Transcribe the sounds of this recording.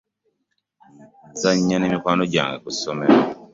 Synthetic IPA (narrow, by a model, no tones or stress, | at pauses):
zaɲːanemikwaːnoɟa̰ːŋɡekusomɛɾa